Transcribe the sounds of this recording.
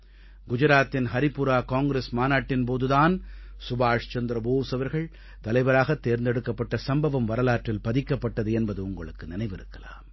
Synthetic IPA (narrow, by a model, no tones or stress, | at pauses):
ɡʊd͡ʒɐɾaːt̪ːɪnɦɐɾɪpːʊɾaːkaːŋɡɾeːsmaːnaːʈːɪnpoːðɯðaːnsʊbaːʂt͡ʃɐnd̪ɾɐbuːʋsɐʋɐɾɣɐɭ | t̪ɐlɐɪʋɐɾaːɣɐt̪ːeːɾnd̪ɛɽɯkːɐpːɐʈːɐsɐmbɐʋɐmʋɐɾɐlaːʈrɪlpɐðɪkːɐpːɐʈːɐðɯɛnbɐðɯʊŋɡɐɭɯkːɯnɪnɐɪʋɪɾɯkːɐla̰ːm